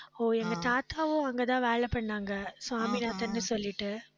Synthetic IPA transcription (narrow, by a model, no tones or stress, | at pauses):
oːɛŋɡɐt̪aːt̪aːʋõːɐŋɡɐt̪ãːʋeːɭɛpɐɳːaːŋɡɐsʊaːminaːt̪ɐnːɯsɔlːɪʈːɯ